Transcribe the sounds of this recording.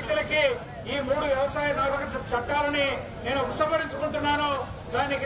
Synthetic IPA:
k̪jɐlɐki | iːmuːɽuʋjɐʋɐsaːjɐnaːɾbɐkɐt͡ʃɐʈːaːlɐni | ne̞ːnuusɐmbɐɽiɲt͡ʃukuɳʈunːaːnu | d̪aːniki

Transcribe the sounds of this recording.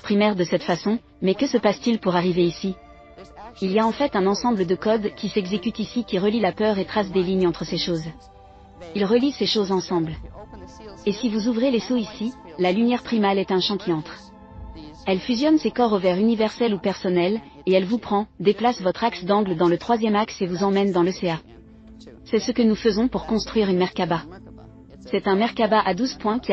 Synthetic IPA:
pχimɛʁd̪əsɛt̪fasɔ̃ | mɛkəsəpast̪ilpuʁaʁiveisi | ilijaɑ̃fɛt̪ɛ̃nɑ̃sɑ̃bləd̪əkɔd̪kʲisɛɡzekʲyt̪isikʲiʁəlilapœʁet̪χasd̪eliɲɑ̃t̪χəseʃoz | ilʁəliseʃozɑ̃sɑ̃bl | esivuzuvʁelesoisilalynjɛʁpχimalɛt̪ɛ̃ʃɑ̃kʲiɑ̃t̪χ | ɛlfyzjɔnsekɔʁovɛʁynivɛʁsɛlupɛʁsɔnɛl | eɛlvupχɑ̃d̪eplasvɔt̪χaksd̪ɑ̃ɡləd̪ɑ̃lət̪χwazjɛmaksevuzɑ̃mɛnd̪ɑ̃ləsea | sɛsəkənufəzɔ̃puʁkɔ̃st̪χɥiʁynmɛʁkaba | sɛt̪ɛ̃mɛʁkabaʔad̪uzpwɛ̃kʲi

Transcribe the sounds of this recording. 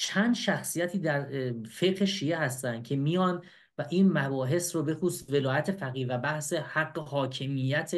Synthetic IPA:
t͡ʃʰænd̪ʃæxsijæt̪ʰiːd̪æɾfe̞ɡheʃiːʔe̞hæst̪ænd̪̥̚cʰe̞mijɒːn | væʔiːnmæbɒːɦe̞sɾobe̞xuːsve̞lɒːjæt̪ʰe̞fæɣiːvæbæhse̞hæɡːehɒːcʰe̞mijæt̪ʰe

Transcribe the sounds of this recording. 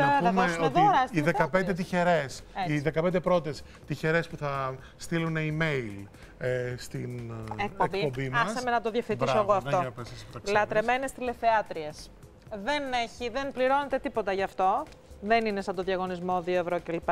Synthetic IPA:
meoðiɾɐsiðekɐpend̪et̪̬içeɾe̞siðekɐpend̪epɾo̞t̪es | t̪içe̞ɾe̞spuθɐ | st̪iluneime̞il | est̪inekk̚pokbipobimɐssɐmenɐt̪oðjɐfθiisoɐɣoɐft̪oslɐt̪ɾe̞me̞ne̞st̪ile̞θeɐt̪ɾies | ðe̞ne̞çiðe̞npliɾo̞ne̞t̪e̞t̪ipo̞t̪ɐʝɐːft̪o̞ | ðe̞nine̞sɐnd̪o̞ðʝɐɣo̞nizmo̞ðio̞evɾo̞celipa

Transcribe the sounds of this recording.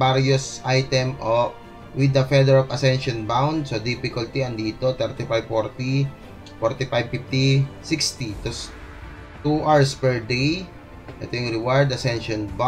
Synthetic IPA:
aɾjosʔajt̪ɛmʔo | wɪd̪ɐfɛd̪ɛɹɐvɐsɛnʃɔnbawnd̪sod̪ifɪkʊlt̪iɐnd̪iːt̪ot̪ɛɾt̪ɪfajbfoɹt̪i | fɔɹt̪ɪfajb̚fɪft̪isikst̪it̪os | t̪uʔaɹspɛɹd̪ej | ʔɛ̰t̪ojʊŋɾɛwajd̪ɐsɛ̃nʃɔnba

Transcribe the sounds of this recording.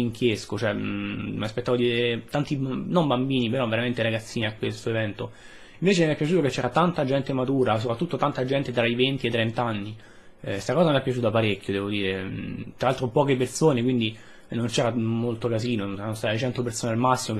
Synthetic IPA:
iŋkjeskot͡ʃoɛmiaspet̪ːavod̪ieet̪ant̪inombambiːnipeɾɔvːeɾament̪eɾaɡat̪sːiːniakːwest̪oevɛnt̪o | iɱveːt͡ʃemapːjat͡ʃuːt̪oket͡ʃːɛːɾat̪ant̪ad͡ʒɛnt̪emat̪uːɾas̬opɾat̪ːut̪ːot̪ant̪ad͡ʒɛnt̪et̪ɾaivent̪iet̪ːɾɛnt̪aanːi | st̪akɔːzameapːjat͡ʃuːt̪oapːaɾekʲːjod̪ɛːvod̪iːɾet̪ɾalalt̪ɾopɔːkepersoːnek̬wind̪i | nont͡ʃɛːɾamolt̪okaziːnoɛɾanost̪aːt̪eet͡ʃɛnt̪opersoːnealmasːimo

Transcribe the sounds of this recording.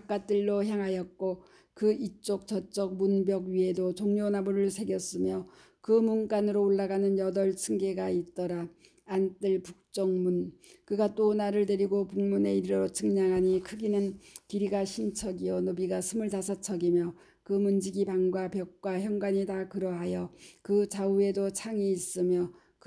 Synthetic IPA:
ak͈at͈ɯɭːoçjaŋɦajʌt̚k͈o | kɯit͡ɕ͈ok̚t͡ɕʌt͡ɕ͈ʌk̚munbjʌɡɥiɦe̞dot͡ɕoŋɲonabuɾɯɭsʰe̞ɡjʌs͈ɯmjʌ | kɯmunkanɯɾoːɭːaɡanɯnjʌdʌɭt͡ɕʰɯŋɡe̞ɡait̚t͈ʌɾaː | nt͈ɯɭpuk̚t͡ɕ͈ʌŋmunkɯɡat͈onaɾɯɭde̞ɾiɡopuŋmune̞iɾɾɾot͡ɕʰɯŋɲaŋɦaɲikʰɯɡinɯnkiɾiɡaɕʰint͡ɕʰʌɡijʌnobiɡasʰɯmɯɭtasʰat͡ɕʰʌɡimjʌ | kɯmund͡ʑiɡipaŋɡwapjʌk̚k͈waçjʌŋɡwaɲitakɯɾʌɦajʌkɯt͡ɕaue̞dot͡ɕʰaŋiːs͈ɯmjʌ | k

